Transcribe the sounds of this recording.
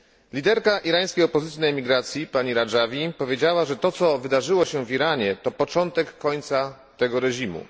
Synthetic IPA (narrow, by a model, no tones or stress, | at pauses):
lʲid̪ɛɾkaʔiɾaj̃skʲejɔpɔzɘt̪sʲinaɛmʲiɡɾat̪sʲjipaɲiɾaʐavʲipɔvʲjed͡ʑawaʐɛt̪ɔt̪sɔvɘd̪aʐɘwɔɕɛviɾaɲɛt̪ɔpɔt͡ʂɔnt̪ɛkːɔɲt̪sa | t̪ɛɡɔɾɛʑimṵ